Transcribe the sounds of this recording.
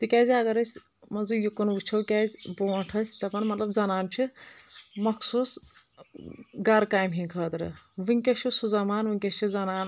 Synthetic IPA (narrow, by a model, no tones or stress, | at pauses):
t̪ikʲaːzɐɡɐɾɐsʲ | mɐnzujukunʋut͡ʃʰɐwkʲaːzʲboːʈʰɐsʲt̪ɐpɐnmɐt̪lɐbzɐnaːnt͡ʃʰi | mɐkʰsuːs | ɡɐɾkaːjmɦĩkʰɐːt̪ɾɨ̰ʋiŋʲkʲɐʃʰusuzɐmaːnʋɨŋʲkʲɐt͡ʃʰizɐnaːn